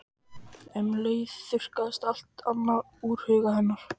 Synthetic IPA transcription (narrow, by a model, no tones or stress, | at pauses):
ɛnleːjðθʏr̥kaðst̪al̥t̪anːað | uːɾ̥hʏːɣahɛnːaɾ̥